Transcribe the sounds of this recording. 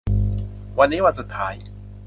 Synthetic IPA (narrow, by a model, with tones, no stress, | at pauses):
wa˧ne˦wa˦˧t͡su˨tʰaː˨˦˨ji˨